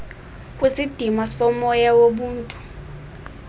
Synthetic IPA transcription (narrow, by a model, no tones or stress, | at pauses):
kʼwisid̥ʱimasɔmɔjawoɓuːntʼu